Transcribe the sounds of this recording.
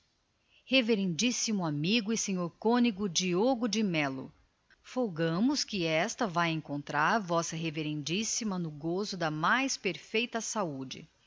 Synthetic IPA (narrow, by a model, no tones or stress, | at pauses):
heveɾẽnd͡ʒisimʊamiɡʊisẽɲoɾkõniɡʊd͡ʒioɡʊd͡ʒɪmɛlʊ̰ | foɡɐ̃mʊskɪɛst̪ɐvajẽŋkõnt̪ɾaɾvɔsɐɦeveɾẽnd͡ʒisimɐnʊɡozʊd̪ɐmajspeɾfejt̪ɐsaud͡ʒɪ̰